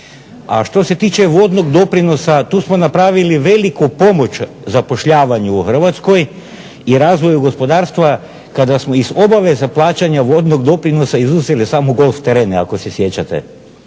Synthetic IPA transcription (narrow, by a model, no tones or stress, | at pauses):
a̰ʃt̪o̞se̞t̪iːt͡ɕe̞ʋod̪no̞ɡd̪opɾino̞sat̪uːsmo̞napɾaːʋiliʋe̞likupo̞mo̞t͡ʃ | zapo̞ʃʎaːʋaɲuːxr̩ʋat̪sko̞j | iɾaːzʋo̞juɡo̞spo̞d̪aːɾst̪ʋa | kad̪asmo̞izo̞baʋe̞zaplˠaːt͡ɕaɲaʋo̞d̪noɡd̪o̞pɾino̞saizuzelisaːmoɡolft̪eɾeːna̰ko̞se̞sje̞t͡ɕat̪ḛ